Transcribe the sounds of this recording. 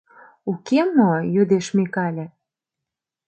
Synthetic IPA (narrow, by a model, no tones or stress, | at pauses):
ukemojyd̪eʃmekɑlʲĕ